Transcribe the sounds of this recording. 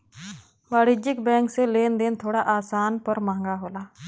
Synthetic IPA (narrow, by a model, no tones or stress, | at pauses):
ʋaːɽɪd͡ʒɪkbɛ̃ːŋkseleːnd̪eːnt̪ʰoːɽaːʔaːsaːnpəɾmãːŋɡaːɦoːlaː